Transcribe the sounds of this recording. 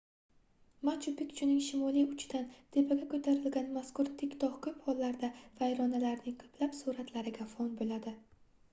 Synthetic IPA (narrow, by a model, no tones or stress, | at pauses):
mat͡ʃʊpɪkʲt͡ʃʰʊnɪŋʃɪmɒliʊt͡ʃʰd̪ant̪ʰe̞pʰaɡʲakʰɵt̪ʰaɾɪlɡʲanmaskʊɾt̪ʰɪkʲt̪ʰɒhkʰɵjphɒlːaɾd̪av̥ajɾɒnalaɾnɪŋqʰɨ̥plapsuɾat̪ʰlaɾɪɡʲafɒnbolad̪ɪ